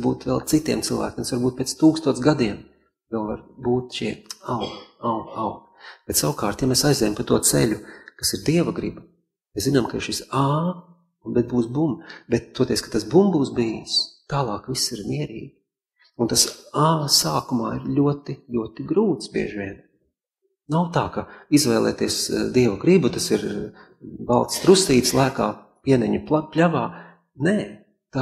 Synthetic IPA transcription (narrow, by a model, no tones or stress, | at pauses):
buːt̪ʋɛlˠt̪sit̪iɛmt̪silˠʋæ̰ːkʲemsʋaɾbuːt̪̚pʲeɛːt̪st̪uːkst̪uɔsɡad̪iɛm | vɛlˠvaɾbuːt̪ʃiɛawɡaʊawɡ | b̥ɛt̪sawkaːɾt̪jamesajzd̪ʲɛjampat̪uɔt̪sɛ̰ʎʲukasiɾd̪iɛvaɡɾḭb | meszinamkaiɾʃisaː | unbɛt̪̚buːsbumbɛt̪̚t̪uɔt̪ʲɛːskat̪asbumbuːsbijist̪aːlˠɑːkvisːiɾmʲiɛɾḭːɡʲi | unt̪asaːsaːkumaːiɾlʲuɔt̪iʎʲuɔt̪iɡɾuːt̪sbḭɛʒiʋʲiɛn | nawt̪aːkaizvɛjlˠɛ̰ːt̪iɛsd̪iɛvaɡɾibut̪asiɾ | balˠt̪st̪ɾust̪iːt̪slˠaːka̰ː | piɛnɛɲuplavaː | nɛː | t̪a